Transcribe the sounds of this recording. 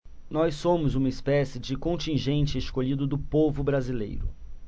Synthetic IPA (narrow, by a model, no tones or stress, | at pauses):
nɔsõmʊzũmɐɪspɛsɪd͡ʒɪkõnt͡ʃĩʒẽnt͡ʃɪːskoʎid̪ʊd̪ʊpovʊbɾazilḛjɾʊ̰